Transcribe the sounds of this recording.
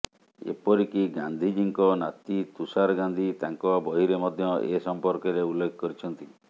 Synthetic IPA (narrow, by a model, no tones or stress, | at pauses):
ḛpɔɾikiɡand̪ʱid͡ʒiŋkɔnat̪it̪usaɾɡand̪ʱit̪aŋkɔbɔɦiɾemɔd̪ʱjɔʔesɔmpɔɾkeɾeulːekʰɔkɔɾit͡ʃʰɔnt̪i